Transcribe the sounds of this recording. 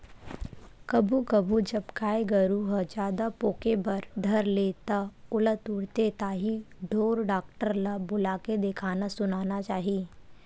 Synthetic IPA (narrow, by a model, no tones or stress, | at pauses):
kɐbʱukɐbʱud͡ʒɐbkaːeɡəɾuɦəd͡ʒjaːd̪apoːkebɐɾd̪ʱɐɾleːt̪aʊlət̪uɽt̪et̪aːɦiɖʱoːɾɖaːkʈəɾlabʊlaːked̪ekʰaːnasʊnaːnat͡ʃaːɦiiː